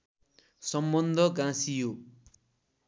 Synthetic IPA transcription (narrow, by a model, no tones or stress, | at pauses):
sʌmbʌnd̪ʱʌɡãsijo